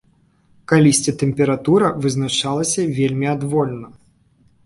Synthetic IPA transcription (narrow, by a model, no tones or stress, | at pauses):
kalʲisʲt͡sʲit̪ɛmʲpʲɛɾat̪uɾɐvɨznaʂalˠɐsʲɐvʲelʲmʲiad̪vɔlʲnɐ